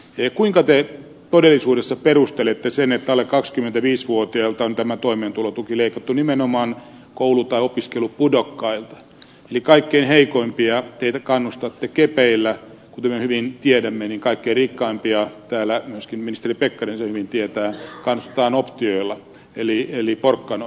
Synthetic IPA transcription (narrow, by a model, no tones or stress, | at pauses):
eːkuiŋkɑt̪e | t̪odelːisuːdesːɑperust̪elet̪ːesenet̪ːæolekkɑkskymːˑent̪æʋiːsʋuot̪iɑlt̪ɑont̪æmæt̪oimeːnt̪ulot̪ukileikɑt̪ːunimenomɑːn | koulut̪ɑiopiskelupudokːɑilt̪ɑ̥ | elikɑikːeinheikoimpiɑt̪eit̪ækɑnːust̪ɑt̪ːekepeilːæ | kut̪emehyʋint̪iedæmːeniŋkɑikːeirikːɑimpiɑt̪æːlːæmyøskimminist̪eripekːɑrinsehyʋint̪iet̪æːkɑnːust̪e̥t̪ɑːnopt̪ioilːɑ | elieliporkːɑno